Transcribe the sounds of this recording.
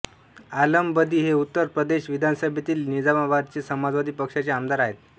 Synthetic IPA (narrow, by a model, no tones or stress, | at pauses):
aləmbəd̪iːɦeut̪ːəɾpɾəd̪eɕʋid̪ʱansəbʱet̪iːlnid͡zamabad̪̚t͡ɕesəmad͡zʋad̪iːpəkʂat͡ɕeamd̪aɾaɦet̪